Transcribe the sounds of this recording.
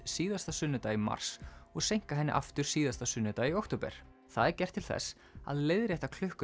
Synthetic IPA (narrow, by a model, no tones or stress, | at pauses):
siːðast̪asʏnːʏt̪aːjima̰r̥sɔɣsejŋ̥kaɦɛnːɪ̰ʔa̰ft̪ʏɾ̥siːðast̪asʏnːʏt̪aːjiowkt̪owpɛ̰ɾ̥ | θaðɛɾcɛr̥t̪ʰːɪlθɛ̰sː | a̰ðlejðɾjɛht̪akʰl̥ʏhkʏ